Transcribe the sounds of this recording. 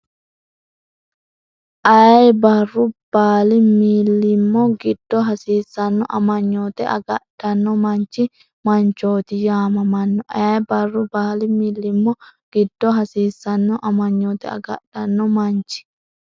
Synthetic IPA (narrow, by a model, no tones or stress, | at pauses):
ʔɐjɐjbɐrːʊb̥aːlimiːlːɪmːɔɡɪd̥ːɔɦɐsiːsːɐnːɔ̰ʔɐmɐɲːoːt̪ɛʔɐ̰ɡɐʔd̥ɐnːɔmɐɲt͡ʃi | mɐɲt͡ʃoːt̪ɪjaːmɐmɐnːɔʔɐjɐjbɐrːʊbaːlimilːɪmːɔɡ̥ɪd̪̥ːɔɦɐsiːsɐnːɔʔɐmɐɲːoːt̪ɛ̰ɐ̰ɡɐ̰ʔd̥ɐnːɔmɐɲt͡ʃɪ̥